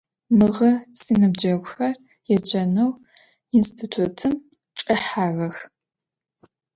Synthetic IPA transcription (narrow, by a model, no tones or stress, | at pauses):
mɨʁɐsinɨbd͡ʒɐɡʷʼʊxɐr | jɛd͡ʒɐnɐw | instʰitʰutʰɨm | ʈ͡ʂʼɐħaːɣɐx